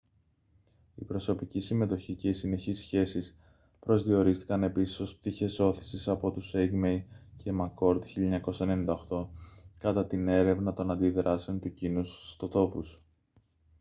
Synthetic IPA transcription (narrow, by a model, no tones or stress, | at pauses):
ipɾo̞so̞picisime̞t̪o̞çice̞isine̞çisçe̞sis | pɾo̞zðio̞ɾist̪i̥kɐne̞pisiso̞sp̚t̪içe̞so̞θi̥sisɐpo̞t̪useɡmejce̞mɐko̞ɾd̪çiʎɐɐɲɐko̞sɐene̞nind̪ɐoxt̪o̞kɐt̪ɐt̪ine̞ɾe̞vnɐt̪o̞nɐnd̪iðɾɐse̞o̞nt̪ucinusst̪o̞t̪o̞pus